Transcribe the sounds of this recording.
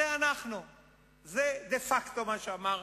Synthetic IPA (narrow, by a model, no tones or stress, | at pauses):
eanaχnu | zed̪efakt̪o̞maʃeamaʁ